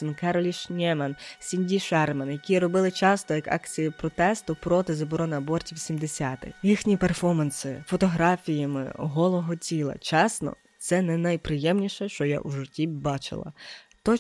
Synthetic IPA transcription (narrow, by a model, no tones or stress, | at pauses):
nkɛɾɔlʲiʃnʲɛmɐnsʲinʲdʲiʃɛrmɐnjɐkʲiɾɔbɪlˠɪt͡ʃɑst̪ɔjɐkɑ̰kt͡sʲijʊpɾɔt̪ɛst̪ʊpɾɔt̪ɪzɐbɔɾɔnɪɐbɔrtʲiwsʲimd̪esʲat̪ɪ̰xjixnʲiperfɔmɐnsɪ̰fɔt̪ɔɦɾɑfʲijɐmɪ̰ɔɦɔlˠɔɦɔtʲilˠɐ̰t͡ʃɑsnɔ̰ | t̪sɛnɛnɐjpɾɪjɛmnʲiʃɛʃt͡ʃɔja̰ʔuʒʊtʲibɑt͡ʃɪ̰lˠɐ̰t̪ɔ